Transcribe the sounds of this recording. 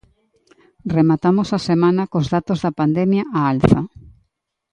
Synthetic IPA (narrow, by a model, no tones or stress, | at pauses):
remat̪amosɐsemãnɐkozðat̪ozðɐpand̪ɛmjaʔaalθɐ